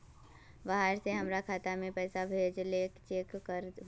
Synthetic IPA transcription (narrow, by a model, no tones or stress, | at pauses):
ʋaɦaɾseɦəmɾakʰaːt̪amẽpɛːsabʱeːd͡ʒleːkt͡ʃeːkːəɾ